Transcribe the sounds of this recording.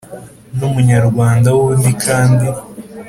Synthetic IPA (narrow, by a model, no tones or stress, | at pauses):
numuɲaɾɡwaːndawundikʰaːndi